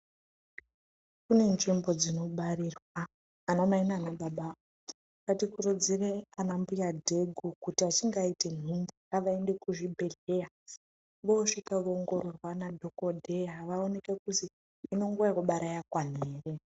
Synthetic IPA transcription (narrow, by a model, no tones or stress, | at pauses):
kune̞nʐimbo̞d͡zino̞ɓaɾirwaː | nomainanaɓaɓa | katikurud͡zireanambujadʱe̞ɡʱukutiat͡ʃiŋɡaite̞n̤umburaʋaende̞kuʐibʱe̞ɮe̞ja | ʋo̞ʂikaʋoŋɡororwanadʱo̞kodʱe̞jaʋaone̞kekutiː | no̞ŋɡuakuɓaɾajakwan̤eːre̞